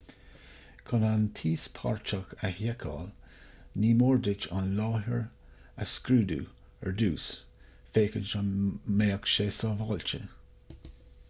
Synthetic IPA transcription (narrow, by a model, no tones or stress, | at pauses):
kʰɔnant̪ʰiːspʰɑ̰ɹt͡ʃakahjɛkʰɑ̰ːl | niːmoːɹd̪ɪt͡ʃɑ̰nlɑːɦəɹ | a̰skɾuːd̪ṵː | ɛ̰ɹd̪uːs | feːkənt͡ʃameːəkʃeːsɑːvɑːlt͡ʃə̰